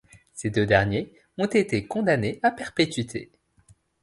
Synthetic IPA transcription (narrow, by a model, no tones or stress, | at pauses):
sed̪ød̪ɛʁnje | ɔ̃t̪et̪ekɔ̃d̪aneʔapɛʁpet̪ɥit̪ʰḛ